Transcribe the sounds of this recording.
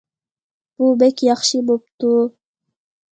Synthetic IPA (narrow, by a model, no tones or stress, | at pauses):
ubekjɑχʃimop̚t̪u